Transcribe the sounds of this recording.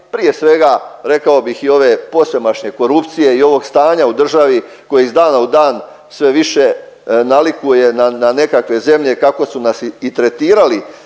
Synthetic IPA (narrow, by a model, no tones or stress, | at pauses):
pɾije̞sʋe̞ɡaɾe̞kao̞bixio̞ʋe̞po̞se̞maʃɲe̞ko̞ɾupt̪sije̞io̞ʋo̞ɡst̪aːɲaud̪r̩ʒaʋi | ko̞jeizd̪aːnaud̪aːn | sʋe̞ʋiʃe̞ | nalikuje̞nanane̞kakʋe̞ze̞mʎe̞kako̞sunasiit̪ɾe̞t̪iːɾali